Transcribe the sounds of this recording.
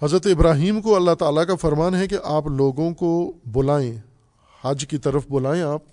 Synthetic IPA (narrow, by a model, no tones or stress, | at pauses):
ɦɐzɾət̪ɪbɾaːɦiːmkoɐlːaɦt̪aːlakafɐɾmaːnɦɛkeʔaːploːɡõkobʊlaːẽ | hɐd͡ʒkit̪ɐɾəfbʊlaːẽaːp̚